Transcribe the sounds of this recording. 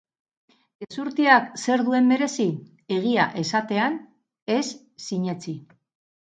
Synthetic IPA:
desuɾt̪iakse̞ɾðue̞mbe̞ɾe̞si | e̞ɣ̞iaʔe̞sat̪e̞an | e̞sː | iɲe̞t͡si

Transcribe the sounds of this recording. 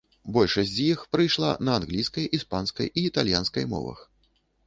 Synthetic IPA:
bɔlʲʂɐsʲzʲjixpɾɨjʂlˠa̰nɐanɣlʲijskɐjispanskɐ̰jʔiːt̪alʲjanskɐ̰jmɔ̰vɐ̰x

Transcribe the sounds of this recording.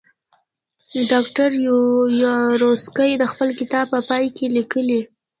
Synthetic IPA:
ɖɑkʈaɾjɾoskəjd̪əxpəlkɪt̪ɑb̚pəpɑjkʰelikəli

